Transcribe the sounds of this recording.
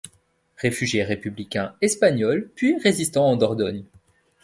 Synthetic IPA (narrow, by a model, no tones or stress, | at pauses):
ʁefyʒjeʁepyblikʲɛ̃ɛspaɲɔlpɥiʁezist̪ɑ̃ɑ̃d̪ɔʁd̪ɔɲ